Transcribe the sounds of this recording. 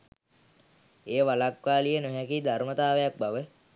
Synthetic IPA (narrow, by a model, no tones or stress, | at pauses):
eːʋalakʋaːlijənoɦɛkid̪armət̪aːʋejak̚baʋə